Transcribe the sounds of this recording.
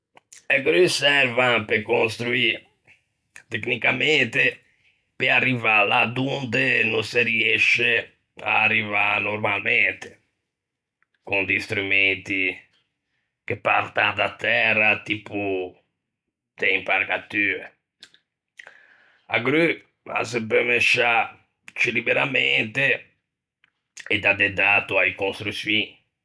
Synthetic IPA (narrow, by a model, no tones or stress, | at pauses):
aɡɾysɛɾvãnpekõnst̪ɾui | t̪eknikamɛnt̪e | pearːivalad̪und̪enõseɾiɛʃe | a̰ːrːivanoɾmalmɛnt̪e̥ | kund̪ist̪ɾument̪i | kepa̰ɾt̪and̪at̪ːɛrːat̪iːpu | d̪̥eimpaɾkat̪ːyːe | a̰ɡɾy | a̰sepemeʃa | t͡ʃilibeɾament̪e | ed̪ad̪ed̪aːt̪uajkonst̪ɾusiːni